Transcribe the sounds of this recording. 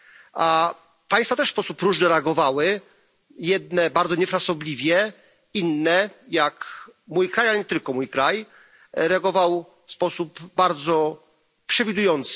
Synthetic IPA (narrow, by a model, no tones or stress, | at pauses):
a | paj̃st̪fat̪ɛʂspɔsupɾuʐnɘɾɛaɡɔvawɘ | jɛd̪̚nɛbaɾd̪ɔɲɛfɾasɔblʲivʲjɛ | inːɛjakmujkɾajalɛɲɛt̪ɘlkɔmujkɾaj | ɾɛaɡɔvaw | fspɔsupbaɾd̪zɔ | pʂɛvʲid̪ujɔnt̪s